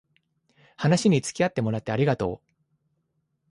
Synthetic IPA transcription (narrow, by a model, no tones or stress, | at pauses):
hanaɕiɲ̟it͡sɨ̥kʲiat̪ːe̞mo̞ɾat̪ːe̞aɾʲiɡat̪o̞̰ː